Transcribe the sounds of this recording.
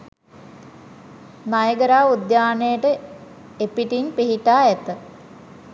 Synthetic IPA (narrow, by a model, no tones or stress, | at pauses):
najəɡəɾaːud̪jaːnejəʈə | epiʈinpiɦiʈaːɛt̪ə